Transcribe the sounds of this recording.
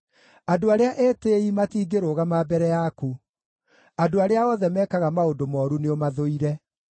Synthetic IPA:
adoaɾeaʔɛːteimatiːɡeɾoːɣamaːbɛɾɛjaku | adoaɾeaɔðɛmɛːkaɣamaodomɔːɾuneomaðoiɾɛ

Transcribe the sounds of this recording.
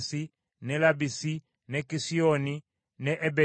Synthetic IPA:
si | nɛlabisi | nɛkisiɔni | nɛʔɛbɛ

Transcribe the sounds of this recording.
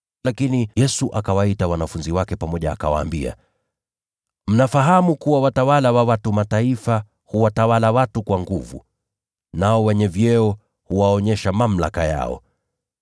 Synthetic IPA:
lakinijɛsuʔakawaitawanafunziwakɛpamɔʄaːkawa̰ːmbia̰ | m̩nafaɦamukuwawatawalawawatumataifa | huwatawalawatukwaŋɡuvṵ | naɔwɛɲɛvjɛɔ | huwaɔɲɛʃamam̩la̰kaja̰ɔ̰

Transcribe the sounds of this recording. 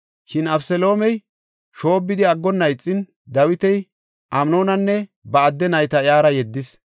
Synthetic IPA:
ʃɪnɐfsɛlo̞ːmɛj | ʃo̞ːbːɪd̪ɪɐɡːɔnːɐjt͡sʼːɪn | d̪ɐwɪt̪ɛj | ʔɐmno̞ːnɐnːɛbɐːd̪ːɛnɐjt̪ɐɪjaːɾɐjɛd̪ːɪs

